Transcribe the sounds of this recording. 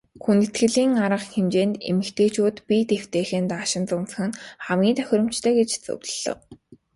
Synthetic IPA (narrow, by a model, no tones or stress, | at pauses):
xunt̪ɘ̆t̪ɡɘ̆ɮiːŋaɾə̆qxemt͡ɕeːnt̪ḛmɘ̆kt̪ʰeːt͡ɕʰuːt̪pʲit̪ew̥t̪eːxĕːnt̪aːʃɪ̆nt͡sʊmt͡sə̥̆xɘ̆nχæmɡʲiːnt̪ʰœ̥x̆ʲɾʲɞ̆m̥t͡ɕt̪ʰœːɡet͡ɕt͡sɵ̰wɮ̥ə̰̆w